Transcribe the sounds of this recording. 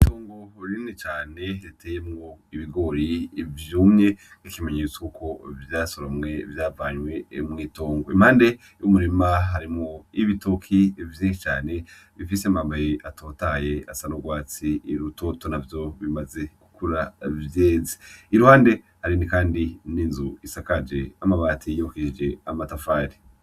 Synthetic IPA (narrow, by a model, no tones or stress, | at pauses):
itoːŋɡo̞ɾinit͡ʃaːne̞ɾitʰeːjemŋo̞iβiɡo̞ɾivjuːmɲe̞ŋn̥ikimeɲet͡skuko̞vjaːsoɾamŋe̞vjaːvaɲwe̞mŋiːto̞ːŋɡoimhaːnde̞ | jumuɾimaɦaɾimŋoiβito̞kʰivjiːʃit͡ʃaːne̞ | βifiseamaːmbajeʔatʰo̞taje̞asanoɡwaːt͡siːɾuto̞to̞navjo̞βimaze̞ku̥kuɾavjeːzi̥iɾuhaːnde̞ | haɾinikaːndiniːnzuisakad͡ʒe̞amaβaːtʰijokid͡ʒe̞amatafaːɾi